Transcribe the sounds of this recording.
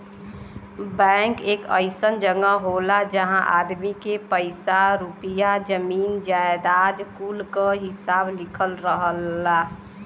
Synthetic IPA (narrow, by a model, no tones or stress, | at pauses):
bɛ̃ŋkeːkə̰ɪsənd͡ʒəɡəɦolad͡ʒəɦãʔa̰ːd̪mikepəɪsaɾupijad͡ʒəmiːnd͡ʒaed̪aːd͡ʒkuːlkəɦɪsaːblɪkʰəlɾəɦəlːa